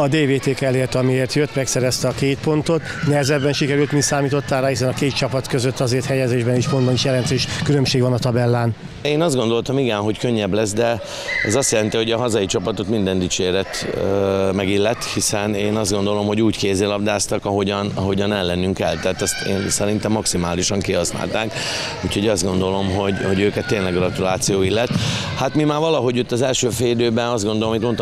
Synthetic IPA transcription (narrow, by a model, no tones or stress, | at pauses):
ɒd̪eːveːt̪eːkɛleːrt̪ɒmieːrt̪jøt̪ːmɛksɛɾɛst̪ɛɒkeːt̪po̞nt̪o̞t̪nɛɦɛzɛd̪bːɛnʃikɛɾylt̪misaːmiːt̪o̞t̪ːaːlɾaːhis̬ɛnɒkeːt̪̚t͡ʃɒpɒt̪køzøt̪ːɒzeːrt̪hɛjɛzeːʒbɛniʃpo̞nd̪bɒniʃjɛlɛnt̪øːʃkylø̞mʃeːɡʋɒnɒt̪ɒbɛlːaːn | eːnɒzd̪ɡo̞nd̪o̞lt̪ɒmiɡɛnɦo̞ckøɲːɛblɛsd̪ɛ | ɛzɒst̪jɛlɛnt̪iho̞ɟɒɦɒzɒjit͡ʃɒpɒt̪o̞t̪mind̪ɛnd̪it͡ʃeːɾɛt̪ | mɛɡilːɛt̪hisɛneːnɒzd̪ɡo̞nd̪o̞lo̞mho̞ɟuːckeːzeːlɒbd̪aːst̪ɒkɒɦo̞ɟɒnɒɦo̞ɟɒnɛlːɛnːyŋkɛ̰lt̪ɛaːt̪ɛst̪ḛːnsɛɾint̪ɛmːɒksimaːliʃɒŋkiɦɒsna̰ːlt̪aːk | uːcho̞ɟɒzd̪ɡo̞nd̪o̞lo̞mɦo̞ɟho̞ɟøːkɛt̪ːeːnlɛɡrɒt̪ulaːt̪sijoːilːɛt̪ː | hat̪mimaːrvɒlɒɦo̞ɟot̪ːɒzɛlʃøːfeːlid̪øːbɛnɒzd̪ɡond̪olmit̪mo̞nt̪